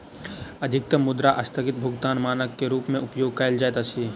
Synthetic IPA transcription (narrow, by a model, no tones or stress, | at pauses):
ɐd̪ʱɪk̚t̪əmːʊd̪ɾaʔɐst̪ʰəɡɪt̪̚bʱʊɡt̪aːnmaːnəkːeɾuːpmẽʊpjoːɡ̚kajld͡ʒaet̪ɐt͡ʃʰi